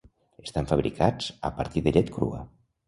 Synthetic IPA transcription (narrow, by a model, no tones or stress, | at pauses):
est̪aɱfəβɾikʰad͡zə̰pə̰ɾt̪iðəʎɛt̪kɾṵə̰